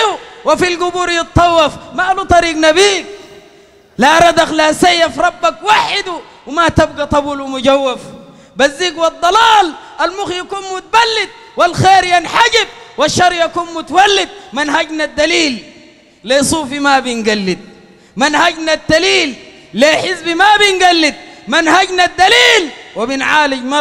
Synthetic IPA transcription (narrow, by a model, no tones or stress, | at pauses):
uwafilɡubuːɾjɪt̪ˤːɑwːɑfmaʔlut̪ˤɑɾiːɡnabiːɡ̚ | laɾˤɑd̪axlasajːafɾˤɑbːakwaħɪd̪u | wmat̪abɡat̪ˤɑbuːlmuɟawːaf | bazːiːɡwɑd̪ˤːɑlɑːlʔalmuxjakuːnmʊt̪̚abalːid̪̚ | walxeːɾjanħaɟib̚waʃːɑɾˤjakuːnmʊt̪awalːid̪̚manɦaɟnad̪ːaliːlː | esˤuːfimabinɡalːid̪̚ | manhaɟnad̪ːaliːlː | eħɪzbimabinɡalːid̪̚manhaɟnad̪ːaliːlwabinʕaːliɟma